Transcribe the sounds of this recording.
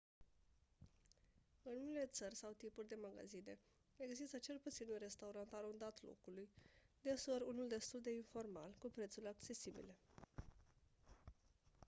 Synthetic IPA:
ɨnumele̞t̪sərʲsawt̪ipurʲd̪e̞maɡa̰zine̞ | eɡzist̪ət͡ʃe̞lput̪sinunre̞st̪auɾant̪aɾond̪at̪lo̰kulujd̪esoɾunuld̪e̞st̪uld̪e̞info̞rma̰lkupɾe̞t̪sulʲakt͡ʃe̞sibḭle̞

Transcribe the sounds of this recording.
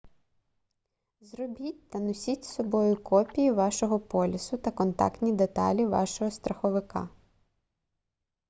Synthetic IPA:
zrɔbʲitʲt̪ɐnɔsʲitʲsɔbɔjʊkɔpʲijiʋɑʃɔɦɔpɔlʲɪsʊt̪ɐkɔnt̪ɑ̰kt̪ʲnʲid̪et̪ɑ̰lʲiʋɑ̰ʃɔɦɔst̪ɾɐxɔʋɪkɑ̰

